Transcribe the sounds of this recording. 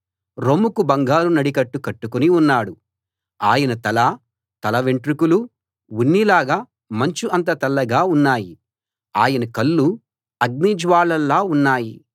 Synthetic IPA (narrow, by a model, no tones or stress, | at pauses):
ɾomukubɐŋɡaːlunɐɽikɐʈːukɐʈːukuniunːaːɽu | aːjɐnɐt̪ɐlɐ | t̪ɐlɐʋeɳʈɾikulu | ʋunːilaːɡaː | mɐɲt͡ʃuʔɐnt̪ɐt̪ɐlːɐɡaːunːaːji | aːjɐnɐkɐlːu | ɐɡ̚niːd͡ʒʋaːɭɐlːaːunːaːji